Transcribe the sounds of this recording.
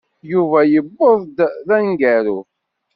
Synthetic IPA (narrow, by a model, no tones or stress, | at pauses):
juvæjəbːoðˤd̪ðænɡæɾu